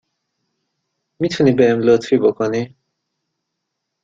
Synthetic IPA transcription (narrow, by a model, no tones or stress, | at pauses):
mit̪ʰunibɛɛmlot̪fibokʰoni